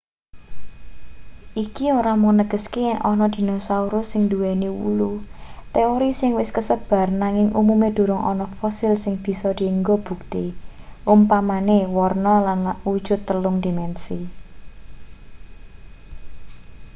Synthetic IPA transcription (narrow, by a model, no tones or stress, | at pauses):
ʔikioɾamɔŋnəɡ̥ə̤skejɛŋʔɔnɔd̪̥i̤nosauɾʊsɪŋd̪uwɛniwṵlut̪eoɾisɪŋwɪskəsəb̥a̤rnaŋɪŋṵmumed̪̥o̤ɾʊŋʔɔnɔfɔsɪlsɪŋb̥i̤sɔd̪̥i̤əŋɡɔb̥ṳk̚t̪iʔumpamanewɔrnɔlanud̥ʒ̥ʊ̤t̪ːəlʊŋd̪̥imɛnsi